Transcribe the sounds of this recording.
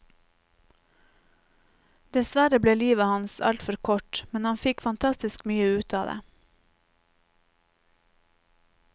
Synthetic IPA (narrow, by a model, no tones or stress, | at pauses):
d̪̥ɛsʋæɾəbleːliːʋəhɑnsɑ̰lt̪fɔɾkʰɔʈmɛnhɑnfɪkfɑnt̪ʰɑst̪ɪskmyːəʉːt̪ʰɑ̰ːd̪ḛː